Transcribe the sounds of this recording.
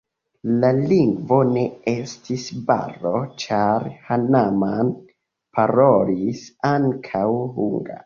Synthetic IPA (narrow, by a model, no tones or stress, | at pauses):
laliŋɡvo̞ne̞e̞stʰisba̰ro̞t͡ʃaɾhanaman | pʰaɾo̞lisaŋkʰawhuŋɡa̰